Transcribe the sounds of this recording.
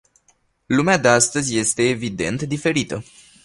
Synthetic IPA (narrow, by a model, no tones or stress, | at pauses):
lumead̪east̪əzʲje̞st̪e̞ːvid̪e̞̰nt̪d̪ife̞ɾit̪ə